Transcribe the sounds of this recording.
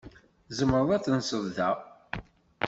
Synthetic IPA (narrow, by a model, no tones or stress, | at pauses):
zəməɾˤðˤæθənsəððæ